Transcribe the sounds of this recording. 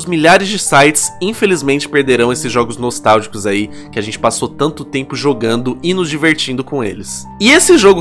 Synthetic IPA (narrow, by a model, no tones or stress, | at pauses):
ʊzmiʎaɾɪzd͡ʒɪsajt͡ʃɪ̥sĩfelizmẽnt͡ʃɪ̥peɾd̪eɾɐ̃w̃esɪzʒɔɡʊznost̪awʒikʊzai | kɪaʒẽnt͡ʃɪ̥pasot̪ɐ̃nt̪ʊt̪ẽmpʊʒoɡɐ̃nd̪ʊɪnʊzd͡ʒiveɾt͡ʃĩd̪ʊkõḛlɪs | ɪesɪʒoɡʊ